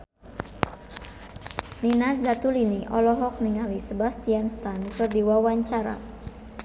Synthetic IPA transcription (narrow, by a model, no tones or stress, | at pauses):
ninazat̪uliniʔɔlɔɦɔk̚niŋalisəbast̪ianst̪ankərdiwawaɲt͡ʃaɾa̰